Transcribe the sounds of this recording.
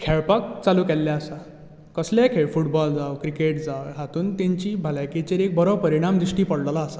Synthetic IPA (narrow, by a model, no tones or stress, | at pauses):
kʰɛɭpak̚t͡salukɛlːjaəsa | kəslakʰeɭfuʈbɔld͡zawkɾikeʈd͡zawɦat̪uːnt̪ẽɲt͡ɕiːbʱalaket͡ɕeɾek̚bɔɾɔpəɾiɽ̃amd̪ɾiʂʈiːpəɽlalaːsa